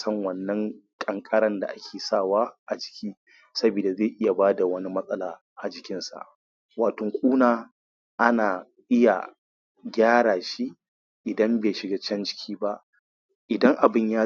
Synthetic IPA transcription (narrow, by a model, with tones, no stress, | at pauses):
sɐ˦ŋwɐ˨nːɐ˦ŋkʼɐ˨ŋkʼɐ˦ɽɐ˦nda̰˨ʔa˦kʲʰeː˨saː˦˨waː˦ʔa˨d͡ʒɪ˨kʲʰiː˦ | sɐ˦biː˨da˨zeː˦˨ʔɪ˦ja˨baː˦da˨wɐ˦ni˦mɐ˦sʼɐ˦laː˨ | ʔa˨d͡ʒɪ˨kʲɪ˦nsa̰˨ʔ | waː˨tɔ˨ŋkʷʼuː˦naː˨ | ʔa˦naː˨ | ʔɪ˦ja̰˨ | ɡʲaː˦ɽaː˨ʃi˦ | ʔɪ˨dɐ˦mbeː˨ʃɪ˨ɡaː˦t͡ʃɐ˦nd͡ʒɪ˦kʲʰiː˦ba˦ʔ | ʔɪ˨dɐ˦ŋʔa˨bɪ˦˨ɲjaː˦